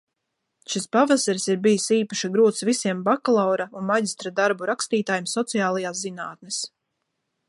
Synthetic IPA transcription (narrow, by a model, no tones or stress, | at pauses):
ʃispavasaɾsiɾbijisiːpaʃaɡɾuːt̪svisiɛmbaklˠawɾaunmaɟist̪ɾad̪aɾbuɾakst̪iːt̪aːjumsɔt̪sijaːlˠajaːszinaːt̪nɛs